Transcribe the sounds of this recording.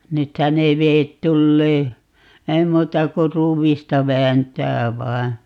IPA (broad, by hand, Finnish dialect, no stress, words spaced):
nythæ ne ʋeːt tulːeː ei muːtɑ ku ruːʋistɑ ʋæːntæː ʋɑi̯